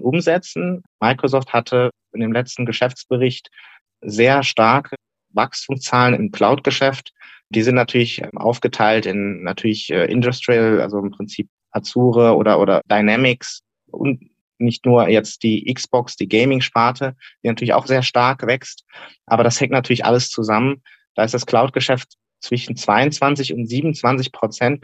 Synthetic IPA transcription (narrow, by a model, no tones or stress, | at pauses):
ʔʊmzɛt͡sn̩maɪkʁ̥osɔːfthatʰə | ɪndeːmlɛt͡stn̩ɡəʃɛft͡sb̥əʁɪçt | zeːɐʃtaɐkʰə | vakstʰʊŋst͡saːlənɪ̰mkl̥aʊtɡ̥əʃɛft | d̥iːzɪntnatʰyːɐlɪçʔʔa̰ʊfɡ̥ətʰaɪltɪnːatʰyːɐlɪçʔɛ̰ːʔɪ̰ndʊstʁilʔa̰lzoɪmpʁ̥ɪnt͡siːp̚ | ʔat͡suːʁəʔo̰ːɾɐʔo̰ːɾɐdaɪnɛmɪks | ʔʊ̰nt | nɪçtnuːɐjɛt͡std̥iːʔɪksb̥ɔksd̥iːɡɛɪmɪŋʃpaɐtʰəd̥iːnatʰyːɐlɪçaʊxz̥eːɐʃtaɐkvɛkstʔaːbɐɾashɛŋktnatʰyɐlɪçʔa̰ləst͡suzamən | d̥aːɪstd̥askl̥aʊt̚ɡ̥əʃɛft | t͡sv̥ɪʃn̩t͡sv̥aɪʊnt͡sv̥ant͡sɪçʊntz̥iːbmnʊnt͡sv̥ant͡sɪçpʁ̥ot͡sɛnt